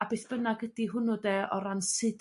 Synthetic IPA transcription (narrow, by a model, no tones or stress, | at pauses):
abeːθb̥ənaɡədiɦʊnʊdɛɔ̰ɾansɪd